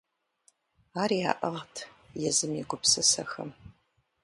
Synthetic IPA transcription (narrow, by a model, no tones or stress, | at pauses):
aːɾia̰ːʔɐʁtʰ | jɛzɨmiɡʷʊpsɐsɐxɐ̰m